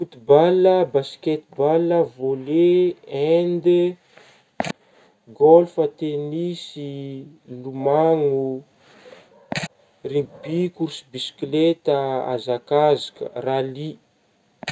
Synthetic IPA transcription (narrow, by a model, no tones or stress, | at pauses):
fut̪ibaləbasi̥ket̪baləvoleend̪e | ɡolfət̪enisi | lumaŋu | riŋbikuɾsibisi̥klet̪əa̰zakazakə̰rali